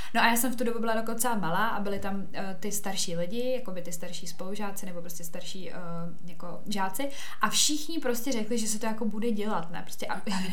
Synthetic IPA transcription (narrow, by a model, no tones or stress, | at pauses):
noʔajaːsɛmft̪udo̞bubɪladokont͡sɛmalaːʔabɪlɪt̪am | t̪ɪst̪aɾʃiːlɪɟɪjako̞bɪt̪ɪst̪aɾʃiːspo̞luʒaːt͡sɪnɛbo̞pɾoscɛst̪aɾʃiːʔ | jako̞ | ʒaːt͡sɪ | ʔafʃɪxɲɪpɾo̞scɛɾɛklɪʒɛsɛt̪ojako̞budɛɟɛlat̪nɛ̰ːpɾoscɛʔa